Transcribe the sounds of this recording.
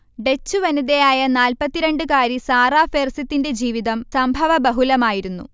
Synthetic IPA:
ɖe̞t͡ɕːuʋɐniðejaːjɐnaːlpɐt̪ːiɾe̞ɳɖɨkaːɾisaːraːfeːrsit̪ːinde̞d͡ʑiːʋiðɐmsɐmbʱɐʋɐbɐɦulɐmaːjiɾunːṵ

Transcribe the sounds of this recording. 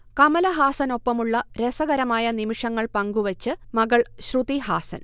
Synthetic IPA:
kɐmɐlɐɦaːsɐno̞pːɐmuɭːɐɾesɐɣɐɾɐmaːjɐnimiʂɐŋːɐɭpɐŋɡuʋɐt͡ɕːɨmɐɣɐɭɕrud̪iɦaːsɐ̰n

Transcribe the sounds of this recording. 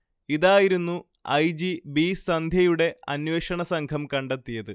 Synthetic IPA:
iðaːjiɾunːu | ɐ̰jd͡ʑibisɐnd̪ʱjɐjuɽe̞ɐnʋeʂɐɳɐsɐŋkʰɐmkɐɳɖet̪ːijɐðɨ

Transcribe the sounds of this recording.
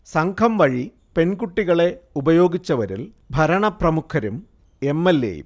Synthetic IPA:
sɐŋkʰɐmʋɐɻi | pe̞nkuʈːiɣɐɭe̞ubɐjo̞ːɡit͡ɕːɐʋɐɾḭl | bʱɐɾɐɳɐprɐmukʰːɐɾum | e̞mːelːḛjṵm

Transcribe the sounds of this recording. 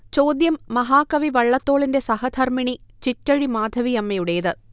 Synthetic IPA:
t͡ɕo̞ːd̪jɐmːɐɦaːkɐʋiʋɐɭːɐt̪ːo̞ːɭinde̞sɐhɐd̪ʰʱɐrmiɳit͡ɕitːɐɻimaːd̪ʱɐʋijɐmːɐjuɽejɐðɨ

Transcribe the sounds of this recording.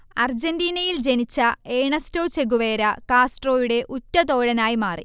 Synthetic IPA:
ɐrd͡ʑendiːnɐjild͡ʑe̞nit͡ɕːɐeːɳɐstoːt͡ɕe̞ɣuʋeːɾɐkaːsʈro̞ːjuɽe̞ʔutʲːɐt̪o̞ːɻɐnaːjimaːrḭ

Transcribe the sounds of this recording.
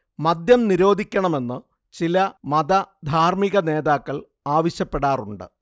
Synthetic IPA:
mɐd̪jɐmniɾo̞ːd̪ʱikʲːɐɳɐme̞nːɨ | t͡ɕilɐmɐd̪ɐd̪ʱaːrmiɣɐne̞ːðaːkːɐɭ | aːʋɐɕjɐpːeɽaːruɳɖɨ̰

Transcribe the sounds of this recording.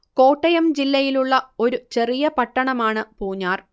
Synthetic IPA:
ko̞ːʈːɐjɐmd͡ʑilːɐjiluɭːɐo̞ɾut͡ɕe̞rijɐpɐʈːɐɳɐmaːɳɨpuːɲːaːr

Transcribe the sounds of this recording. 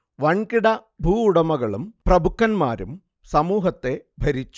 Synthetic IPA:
ʋɐɳkiɽɐ | bʱuːɽɐmɐɣɐɭumprɐbukːɐnma̰ːɾum | sɐmuːɦɐt̪ːe̞bʱɐɾit͡ɕːu̥

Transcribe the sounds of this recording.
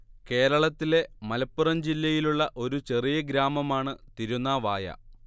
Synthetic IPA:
ke̞ːɾɐɭɐt̪ːile̞mɐlɐpːurɐmd͡ʑilːɐjiluɭːɐʔo̞ɾut͡ɕe̞rijɐɡɾaːmɐmaːɳɨt̪iɾunːaːʋaːjɐ̰

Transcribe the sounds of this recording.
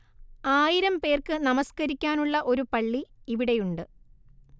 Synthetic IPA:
aːjiɾɐmpe̞ːrkɨnɐmɐskɐɾikʲːaːnuɭːɐʔo̞ɾupɐɭːiiʋiɽe̞juɳɖɨ

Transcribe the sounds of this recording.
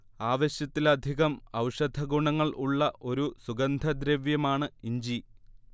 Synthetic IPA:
aːʋɐɕjɐt̪ːilɐd̪ʱiɣɐmɐwʂɐd̪ʱɐɡuɳɐŋːɐɭuɭːɐʔo̞ɾusuɡɐnd̪ʱɐd̪ɾeʋjɐmaːɳɨiɲd͡ʑi

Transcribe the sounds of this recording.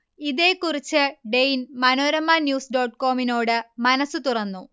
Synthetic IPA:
iðe̞ːkːurit͡ɕːɨɖejinmɐnoːɾɐmːaːnjuːsɖo̞ːʈːko̞ːmino̞ːɽɨmɐnɐsːut̪urɐnːu

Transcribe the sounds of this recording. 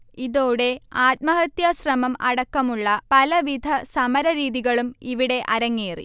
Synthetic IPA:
iðoːɽe̞aːt̪̚mɐɦɐt̪jɐɕrɐmɐmɐɽɐkːɐmuɭːɐpɐlɐʋid̪ʱɐsɐmɐɾɐɾiːðiɣɐɭumiʋiɽe̞ʔɐɾɐŋːeːrḭ

